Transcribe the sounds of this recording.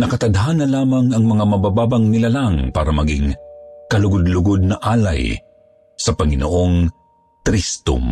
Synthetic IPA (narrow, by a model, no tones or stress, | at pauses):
nɐkɐt̪ɐd̪ɦanːɐlaːmɐŋɐŋmɐŋamɐbabaːbɐŋnɪlalaŋpaːɾɐmɐɡiŋkɐlʊɡʊd̪lʊɡod̪̚nɐʔaːla̰j | sɐpɐŋɪnoʔoŋ | t̪ɾist̪ʊ̰m